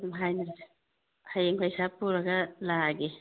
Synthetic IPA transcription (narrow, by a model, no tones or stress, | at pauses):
mɦajna | hajeŋpʰajsapuɾaɡalaɡe